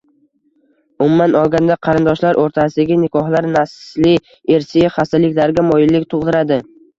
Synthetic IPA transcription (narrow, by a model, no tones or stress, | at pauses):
ʊmumːanɒlˠɡʲand̪aqʰɑɾɪnd̪ɒʃlaɾʔoɾt̪ʰasɪaɡʲɪnɪkʰɒhlaɾnaslɪ | eɾsɪχast̪ɪlɪkʲlaɾɡʲamɒjɪlːɪkʲt̪ʰoʁd̪ɪɾad̪ɪ